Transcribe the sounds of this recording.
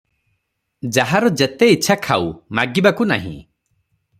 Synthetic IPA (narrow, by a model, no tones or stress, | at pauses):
d͡ʒaɦaɾɔd͡ʒet̪eiːt͡ʃʰakʰa̰wmaɡibakuna̰ɦḭ̃